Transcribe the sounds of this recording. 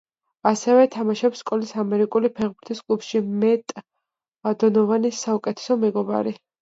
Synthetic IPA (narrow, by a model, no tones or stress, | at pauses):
asɛvɛt̪ʰamaʃɛpskʼɔlisamɛɾikʼulipʰɛʁbuɾt̪ʰiskʼlupʃimɛt̪ʼ | ad̪ɔnɔvanisːaukʼɛt̪ʰɛ̥sɔmɛɡɔba̰ɾi